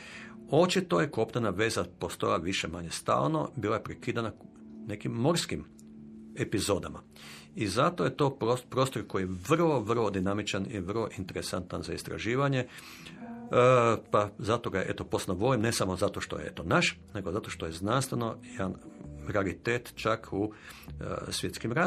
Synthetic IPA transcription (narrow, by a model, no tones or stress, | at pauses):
o̞t͡ʃit̪o̞jeko̞pnanaʋe̞ːzapo̞st̪o̞jaʋiʃemaɲe̞st̪a̰ːlˠno̞̰biːlajepɾekid̪ana | ne̞kimːo̞ɾskim | e̞pizo̞d̪ama | izat̪oje̞t̪o̞opɾoːst̪oɾkojijeʋr̩ʋo̞ʋr̩ʋo̞d̪inamit͡ʃanḭʋrlo̞ʔint̪e̞ɾesant̪anzaist̪ɾa̰ʒiːʋaɲe̞ | pazat̪o̞ɡaʔe̞t̪o̞posnoʋolimnesamozat̪o̞ʃt̪o̞̰jḛḛt̪o̞naʃ | neɡo̞zat̪oʃt̪o̞je̞znanst̪ʋeno̞jed̪anɾealit̪eːt̪t͡ʃakʰṵ | sʋjet̪skimɾa